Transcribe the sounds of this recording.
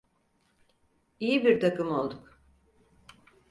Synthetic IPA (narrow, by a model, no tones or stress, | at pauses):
ijibiɾt̪ʰakɯmo̞lˠd̪uk